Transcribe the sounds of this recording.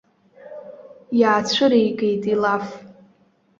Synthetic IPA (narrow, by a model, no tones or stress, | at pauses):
jaːt͡ɕʷʰʊɾejkʼejtʼilaf